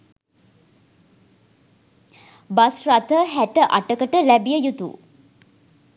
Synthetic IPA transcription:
basrat̪əɦæʈəʔa̰ʈəkəʈəlæbijəjut̪ṵ

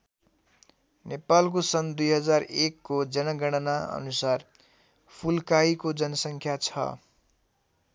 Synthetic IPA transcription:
nepalk̬osʌnd̪ujɦʌd͡zarekːod͡zʌnʌɡʌɽ̃ʌnaʌ̰nusar | pʰulkaikod͡zʌnʌsʌŋkʰjat͡sʰʌ̰

